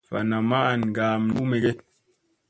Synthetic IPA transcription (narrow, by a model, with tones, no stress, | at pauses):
fa̰˨na˨ma˦˨nɡaː˨mnu˦me˨ɡe˦